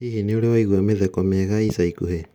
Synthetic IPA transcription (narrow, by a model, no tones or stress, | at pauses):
iheneoɾewaiɣuameðɛkɔmɛɣaisaikuhe